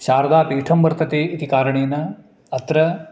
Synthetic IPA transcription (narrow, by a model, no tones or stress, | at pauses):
ʃaːɾɐd̪aːpiːʈʰɐmbɐɾt̪ɐt̪eːit̪ikaːɾɐɳeːnɐ | ɐt̪ɾɐ